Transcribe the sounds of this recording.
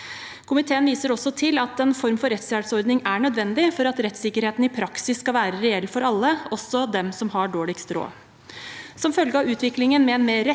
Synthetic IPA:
kʰʊmɪt̪ʰeːənʋiːsəɾɔsɔt̪ʰɪlɑt̪ɛnfɔɾmfɔɾɛt̪sjæːɾsɔɾd̪nɪŋæɳœd̪ʋɛnd̪ɪfɔɾɑt̪ɾɛt̪sɪkəɾheːt̪n̩ɪpʰɾɑksɪsːkɑʋæːɾəɾɛɛlːfɔɾɑlːəɔsːɔd̪ɛmsɔmɦɑɖoːɭɪkst̪ɾo̰ː | sɔmfœlɡəɑːʋʉːt̪ʰʋɪklɪŋənmɛɛnmeːɾɛ

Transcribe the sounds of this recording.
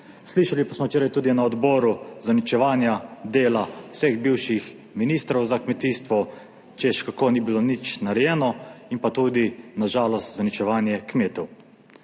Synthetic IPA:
sliʃalipasmɔt͡ʃeːɾajt̪uːd̪inaɔd̪bɔːɾuzanit͡ʃɛʋaːnjad̪eːlawsɛɣbiwʃix | miniːst̪ɾɔwzakmɛt̪iːst̪ʋɔ | t͡ʃɛʃkakoːniːbilonit͡ʃnaɾɛjɛːnɔinpat̪uːd̪inaʒaːlɔst̪zanit͡ʃɛʋaːnjɛkmeːt̪ɛw

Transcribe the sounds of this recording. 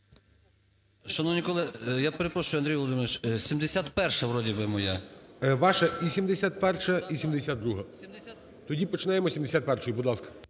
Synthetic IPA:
ʃɐnɔwnʲikɔlˠɪjapeɾepɾɔʃʊjʊɐnd̪ɾijʋɔlˠɔd̪ɪmɪʋʲɪt͡ʃsʲimd̪esʲat̪pɛrʃɐʋɾɔdʲibɪmɔjɛʋɑʃɛisʲimd̪esʲat̪̚pɛrʃɐisʲimd̪esʲad̪̚d̪ɾuɦɐ | t̪ɔdʲipɔt͡ʃɪnɑjemɔsʲimd̪esʲat̪̚pɛrʃɔjibud̪lˠɑskɐ̥

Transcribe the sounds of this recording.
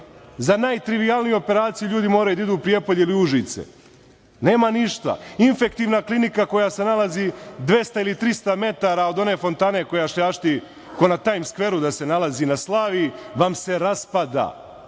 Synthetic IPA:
zanaːjt̪ɾiʋijalˠnijuo̞pe̞ɾaːt̪sijuʎuːd̪imo̞ːɾajud̪aid̪uːpɾijepoʎeiliuʒit̪sḛ | ne̞ːmaniʃt̪a̰infe̞kt̪iːʋnaklˠinikako̞jase̞nalˠazid̪ʋe̞st̪ailit̪ɾist̪ame̞t̪aɾao̞d̪o̞ne̞ːfo̞nt̪aːne̞ko̞jaʃlʎaːʃt̪i | konat̪aːjmskʋe̞ɾud̪ase̞nalazinaslˠaːʋiʋamse̞ɾaspad̪a̰ː

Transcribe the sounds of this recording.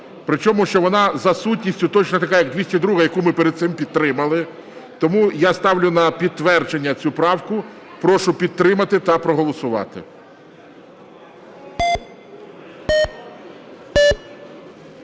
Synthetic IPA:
pɾɪt͡ʃɔmʊʃt͡ʃɔʋɔnɑzɐsutʲnʲisʲtʲʊt̪ɔt͡ʃnɔt̪ɐkɑjɐɡ̚d̪ʋʲisʲɐd̪ɾuɦɐjɐkumɪpeɾed̪t̪sɪmpʲid̪t̪ɾɪmɐlˠɪ | t̪ɔmujast̪ɑwlʲʊnɐpʲid̪̚t̪ːʋɛrd͡ʒenʲːɐt͡sʲupɾɑwkʊ | pɾɔʃʊpʲid̪̚t̪ːɾɪmɐt̪ɪt̪ɐpɾɔɦɔlˠɔsʊʋɑ̰t̪ɪ̰

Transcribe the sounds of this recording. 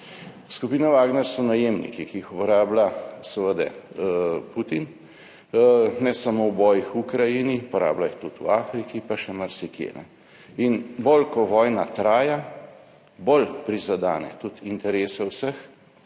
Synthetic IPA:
skupiːnaʋaːɡnɛɾsɔnajeːmnḭkikiixupɔɾaːblasəʋəd̪ɛ̰ | put̪in | nɛsamowbɔːjixukɾajinipɔɾa̰ːblaixt̪ut̪ṵaːfɾikipaʃɛmaɾsikjḛːnɛ̰ | inbolkɔʋɔːjnat̪ɾaːja | bolpɾizad̪a̰ːnɛ̰t̪ut̪int̪ɛɾeːsɛwsəx

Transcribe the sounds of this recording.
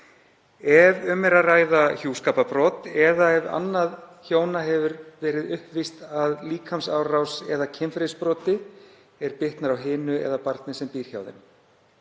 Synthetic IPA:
ɛvʏmɛɾaraːjðaçjuːskaːpapɾɔːt̪ɛðaɛva̰nːaðçoːwnaɦɛvʏɾvɛːɾɪðʏhpvist̪aðliːkʰhamsawrawsɛðacʰɪnfɾespɾɔːt̪ɪ | ɛɾpɪht̪naɾawɦɪːnʏɛ̰ðapaɾt̪nɪsɛmpiːɾ̥çja̰ːwðɪ̰n

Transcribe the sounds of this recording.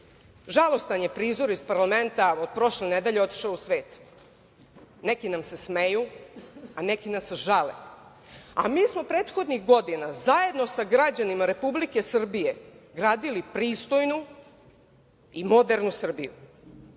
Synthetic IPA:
ʒalˠo̞st̪anjepɾiːzo̞ɾispaɾlame̞nt̪aod̪̥̚pɾo̞ʃlened̪eʎe̞o̞t̪i̥ʃaousʋe̞ːt̪ | nekinamse̞smeju | anekinasʒalḛ | a̰miːsmo̞pɾeːt̪xo̞d̪nixɡo̞d̪inazaje̞d̪no̞saɡɾad͡ʑanimaɾe̞publike̞sr̩bije̞ɡɾaːd̪ilipɾiːst̪o̞jnu | imo̞d̪eɾnusr̩bijṵ

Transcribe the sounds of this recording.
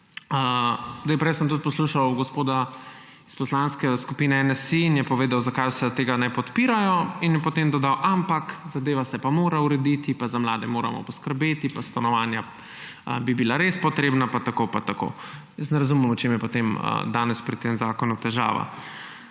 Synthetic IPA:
əzd̪ajpɾɛjsəmt̪ut̪̚pɔsluʃawɡɔspoːd̪a | i̥spɔslanskɛskupinɛɛnɛsiːnjɛpɔʋeːd̪awzakajsɛt̪eːɡanɛpɔt̪piːɾajɔinjɛpɔt̪emd̪ɔd̪awʔampakzad̪eːʋasɛpamoːɾauɾɛd̪it̪ipazamlaːd̪ɛmoːɾa̰mɔ̰pɔskəɾbeːt̪ipast̪anɔʋaːnja̰ | bibilaɾespɔt̪ɾeːbnapat̪akopat̪ako̰jəs̬t̪nɛɾazumɛmɔt͡ʃemjɛpot̪emə̰d̪aːnɛspɾit̪ːemzaːkɔnut̪ɛʒa̰ːʋa̰

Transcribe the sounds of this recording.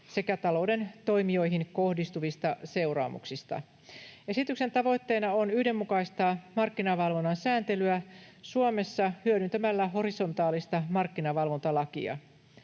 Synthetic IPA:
se̞kæt̪ɑlo̞wde̞nt̪o̞jmio̞jɦinko̞hdist̪uʋist̪ɑse̞wrɑ̰ːmṵksist̪ɑ̰ | e̞sit̪ykse̞nt̪ɑʋo̞jt̪ːe̞ːnɑonyhde̞mːukɑist̪ɑmɑrkːinɑʋɑlʋo̞nːɑnsæːnt̪e̞lyæsuome̞sːɑhyødynt̪ømælːæɦo̞ɾiso̞nt̪ɑːlist̪ɑmɑrkːinɑʋɑlʋo̞nt̪ɑlɑkḭɑ̰

